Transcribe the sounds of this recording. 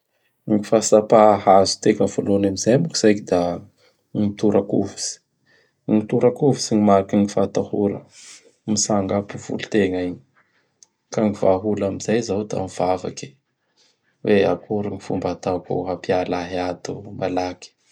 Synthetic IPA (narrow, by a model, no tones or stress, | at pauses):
ŋifasapaɦazu̥t̪ekəvolonamizajmuki̥z̥ajkid̪a | ŋit̪uɾʔakuvu̥si̥ | ŋit̪uɾakuvusiɲimaɾkiŋifat̪ahuɾə̰ | misaŋɡapuv̥ṵlut̪eŋaiɲ | kaŋivaɦulamizajzawd̪a̰miv̥ava̰ki̥ | wea̰kʰuɾiŋifumbat̪akṵɦapialaɦiat̪umʔalaki̥